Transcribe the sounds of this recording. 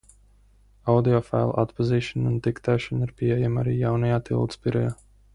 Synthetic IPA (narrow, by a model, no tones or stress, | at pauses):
awd̪iɔfa̰jlˠa̰t̪paziːʃɔnunt̪ikt̪ɛːʃɔnaɾpiɛjamaɾiːjawnajaːt̪ḭlˠd̪spiɾɔjaː